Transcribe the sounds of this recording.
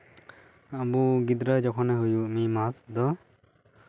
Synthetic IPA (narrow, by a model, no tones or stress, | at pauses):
abuɡid̪ɾəd͡ʒɔkʰɔnɛɦujuʔmimasd̪ɔ